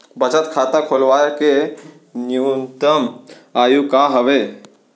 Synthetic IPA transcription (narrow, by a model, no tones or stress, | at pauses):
bət͡ʃət̪kʰat̪akʰolʋajke | njuunt̪əm | ajukaɦəʋe